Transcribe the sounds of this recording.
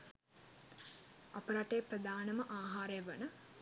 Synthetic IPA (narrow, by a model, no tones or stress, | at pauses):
apəɾaʈeːprəd̪aːnəməʔaːɦaːɾejʋənə